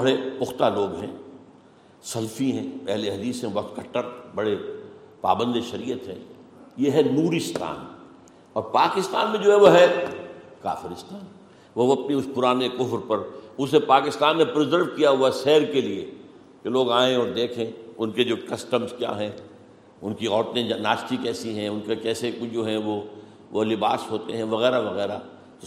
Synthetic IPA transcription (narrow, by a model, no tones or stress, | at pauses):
bɐɽepʊxt̪aloːɡɦɛ̃ː | sɐlfiɦɛ̃ːpɛɦleɦɐd̪iːsɦɛ̃bɔɦt̪kʰɐʈːəɾbɐɽe | pa̰ːbə̃nd̪eʃɐɾiːjət̪ɦɛ̰̃ːjeɦɛnuːɾɪst̪ʰa̰ːn | ɔːɾpaːkɪst̪a̰ːnmẽd͡ʒoːɦɛʋoɦɛ | ka̰ːfɪɾɪst̪ʰaːn | ʋoʋoɐpniʊspʊɾaːnekʊɦɾpɐɾʊsepaːkɪst̪aːnːepɾɪzəɾʋkijaɦʊaʃɛːɾkeliḛ | keloːɡaːẽɔːɾd̪eːkʰẽːʊnked͡ʒoːkɐsʈəmzkja̰ːɦɛ̃ː | ʊnkiɔːɾt̪ẽnaːʃʈ̪ikɛːsiɦɛ̃ʊnkekɛːsed͡ʒoːɦɛ̃ʋo | ʋolɪbaːsɦoːt̪eɦɛ̃ʋɐɣɛːɾaʋɐɣɛːɾa